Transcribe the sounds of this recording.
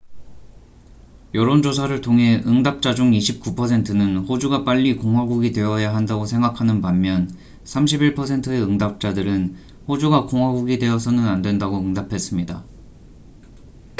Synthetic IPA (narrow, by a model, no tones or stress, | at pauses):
jʌɾond͡ʑos̬ʰaɾɯɭtʰoŋɦe̞ʔɯŋdap̚t͡ɕ͈ad͡ʑuŋiɕʰip̚k͈upʰʌsʰe̞ntʰɯnɯnɸod͡ʑuɡap͈aʎːikoŋɦwaɡuɡidwe̞wʌjaɦandaɡosʰe̞ŋɡakʰanɯnpanmjʌn | sʰamɕʰibiɭpʰʌsʰe̞ntʰɯe̞ɯŋdap̚t͡ɕ͈adɯɾɯn | ɸod͡ʑuɡakoŋwaɡuɡidwe̞ʌsʰʌnɯnandwe̞ndaɡoɯŋdapʰe̞s͈ɯmɲida